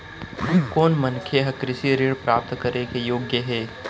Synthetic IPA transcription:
koːnmɐnkʰjeɦɐkɾɪsiɾiɽpɾaːp̚t̪kɐɾekejoːɡjəɦɛː

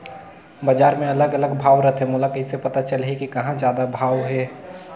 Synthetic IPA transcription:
bəd͡ʒaːɾmẽɐləɡələɡbʱaːwɾət̪ʰɦemʊlakɪt̪sepɐt̪at͡ʃəlɦɛkikɐɦãd͡ʒjaːd̪abʱaːwɦɛː

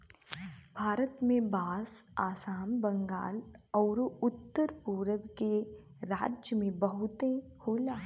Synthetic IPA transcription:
bʱaːɾət̪mẽbaːsaːsaːmbɐ̃ŋɡa̰ːlɔːɾʊt̪ːəɾpuːɾəʋke | ɾaːd͡ʒjəmẽbɐɦʊt̪ehoːlaː

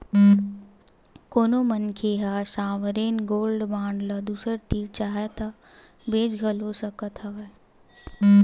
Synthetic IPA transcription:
koːnomənkʰeɦaːsaːʋəɾeːnɡoːlɖbãːɳɖləd̪uːsəɾt̪iːɾt͡ʃaːɦet̪ɐ | beːd͡ʒɡʱəlosɐkət̪ɦɐʋe

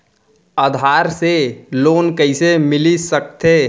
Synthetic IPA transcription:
əd̪ʱaːɾseloːnkəɪsemɪlisək̚t̪e

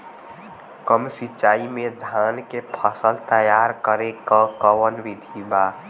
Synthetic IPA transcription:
kəmsit͡ʃːaːimẽd̪ʱankepʰəsəlt̪əjaɾkəɾekəkəwənʋid̪ʱiba

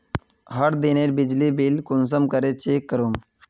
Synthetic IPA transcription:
ɦəɽd̪ineɾbid͡ʑlibilkuns̬əmkəɾet͡ɕeːkːəɾum

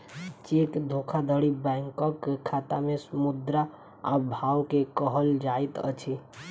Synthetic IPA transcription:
t͡ʃekd̪ʱokʰad̪ʱəɽibɛŋkəkekʰːat̪amesəmud̪ɾa | a̰bʱawkekəɦəld͡ʒajt̪ə̰t͡ʃʰi

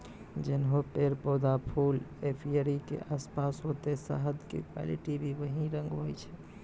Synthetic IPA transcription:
d͡ʒenɦopeɾpɔd̪apʰulepʰiəɾikḛʔaspasɦot̪esə̰ɦəd̪kḛkwa̰lḭʈibʱiʋəɦĩɾə̃ŋɡɦojt͡ʃʰɛ

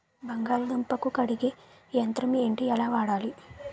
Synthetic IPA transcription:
bɐŋɡaːlɐd̪ɐmpːɐkukɐɽiɡe | jɐnt̪ɾɐmeːɳʈiɛlaːʋaːɽaːli

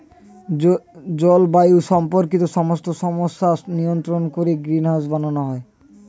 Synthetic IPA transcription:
d͡ʑɔlbajuʃɔmpoɾkit̪oʃɔmost̪oʃɔmoʃːanijont̪ɾonkoɾeɡɾinɦad͡ʑbananoɦɔe

